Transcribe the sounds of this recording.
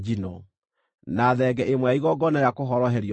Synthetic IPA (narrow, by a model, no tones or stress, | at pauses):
d͡ʒinɔ | naðɛɡɛʔemwɛaiɣɔɡɔnajakoɦɔɾɔɦɛɾi